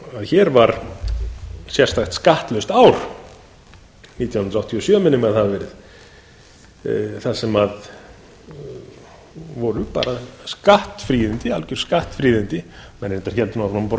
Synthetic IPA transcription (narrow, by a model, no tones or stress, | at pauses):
aðçɛɾvaɾ̥ | sjɛ̥st̪axt̪skaht̪lœst̪aːwɾ̥ | niːt̪jaw̪h̪nɾawht̪ʰiɔsjœːmɪnʏmaðhaðvɛːɾɪð | θaðsɛmað | vɔɾʏpa̰ːɾaskaht̪fɾiːðɪnt̪ɪalcʏɾ̥skaht̪fɾiːðɪnt̪ɪmɛnɛnt̪aɾ̥çɛlt̪naɾnɔp